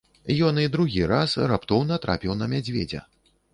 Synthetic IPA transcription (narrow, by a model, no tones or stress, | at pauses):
jɔnid̪ɾuɣʲiɾasrapt̪ɔwnɐt̪ɾa̰pʲiwnɐmʲad͡zʲvʲḛd͡zʲɐ̰